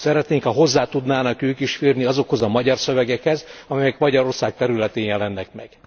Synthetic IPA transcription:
sɛɾɛt̪neːŋkɒɦo̞zːaːt̪ud̪naːnɒkøːkiʃfiːrniɒzo̞kho̞zɒmɒɟɒrsøvɛɡɛkhɛzɒmɛjɛkmɒɟɒɾo̞rsaːk̚t̪ɛɾylɛt̪eːnjɛlɛnːɛk̚mɛɡ̥

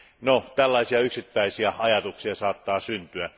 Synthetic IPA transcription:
not̪ælːɑisiɑyksit̪ːæisiɑɑjɑt̪uksiɑsɑːt̪ːɑːsynt̪yæ

